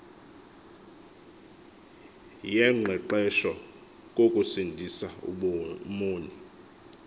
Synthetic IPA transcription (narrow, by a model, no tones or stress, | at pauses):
jɛŋ͡ǃʱɛǃɛʃɔ | k̬ʼokʼusindʱisa̰ | moːni